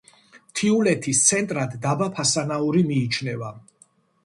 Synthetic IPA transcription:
t̪ʰiulɛt̪ʰist̪sʰɛnt̪ʼɾad̪ːabapʰasanauɾimiːt͡ʃʰnɛva

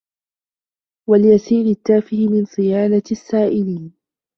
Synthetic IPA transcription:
waljasiːɾɪt̪ːaːfɪhɪmɪnsˤɨjaːnasːaːʔɪliːn

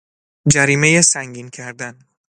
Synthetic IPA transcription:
d͡ʒæɾiːmejesæŋɡiːncʰæɾd̪æn

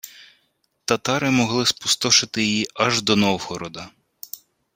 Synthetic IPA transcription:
t̪ɐt̪ɑɾɪmɔɦlˠɪspu̥st̪ɔʃɪt̪ɪjijiɐʒd̪ɔnɔwhɔɾɔd̪ɐ

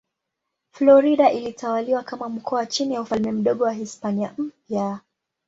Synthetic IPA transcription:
flɔɾiɗaʔilitawaliwakamam̩kʰɔt͡ʃinijaufalmɛm̩ɗɔɠɔwaɦispaniam̩pja

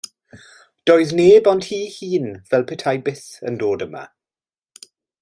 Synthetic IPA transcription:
d̥ɔjðneːbɔndhiːhiːnvɛlˠpʰɪtʰajbɪθə̰ndoːdəma̰

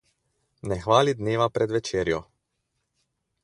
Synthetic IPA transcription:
nɛxʋaːlid̪neːʋapɾɛd̪ʋɛt͡ʃeːɾjɔ

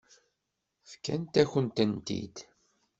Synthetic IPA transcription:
fkænt̪æçənt̪ənt̪ḭd̪

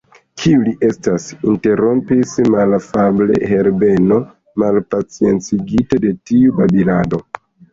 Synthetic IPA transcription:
kʰiuliʔe̞stasinte̞ɾo̞mpismalfable̞̰he̞ɾbe̞no̞ | malpat͡sie̞nt͡siɡitede̞tiubabinado̞

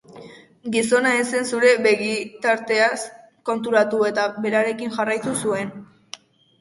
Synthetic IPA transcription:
ɡiso̞nae̞se̞nsuɾe̞be̞ɣit̪aɾt̪e̞as | ko̞nt̪̬uɾat̪ue̞t̪abe̞ɾaɾe̞kinʝarajt̪usue̞n

